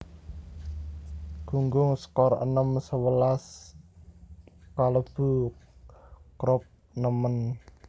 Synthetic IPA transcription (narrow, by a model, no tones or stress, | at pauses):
ɡ̥uŋɡʊŋsə̥kɔɾʔə̰nəmsəwəlas | kaləb̥u | kɾɔp̚ | nəmən